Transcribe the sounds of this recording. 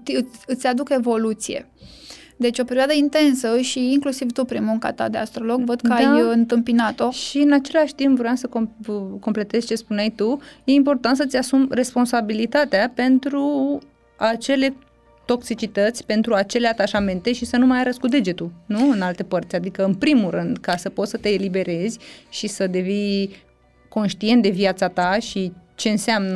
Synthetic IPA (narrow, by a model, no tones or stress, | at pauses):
t̪ɨɨt̪sʲad̪uke̞vo̞lut̪sije̞̰ | d̪e̞t͡ʃʲo̞pe̞ɾioad̪əint̪e̞nsəʃiiŋklusivt̪upɾinmuŋka̰t̪a̰d̪ea̰st̪ɾolo̞ɡvəd̪kəajɨnt̪ɨmpinat̪o̞ʃiɨnat͡ʃe̞laʃʲt̪impvɾojamsəkoko̞mple̞t̪e̞zʲt͡ʃe̞spunajt̪uje̞impo̞rt̪ant̪sət̪sʲasumre̞spo̞nsabilit̪at̪eape̞nt̪ɾu | at͡ʃe̞le̞ | t̪o̞ksit͡ʃit̪ət̪sʲpe̞nt̪ɾuat͡ʃe̞leat̪aʃame̞nt̪e̞ʃisənumajaɾəskud̪e̞d͡ʒe̞t̪ulnuɨnalt̪e̞pərt̪sʲad̪ikəɨnpɾimulɾɨnd̪kasəpot̪sət̪e̞ːlibe̞ɾe̞zʲʃisəd̪e̞vin | ko̞nʃt̪ie̞nt̪̚d̪e̞viat̪sat̪aʃit͡ʃe̞ɨnsamnə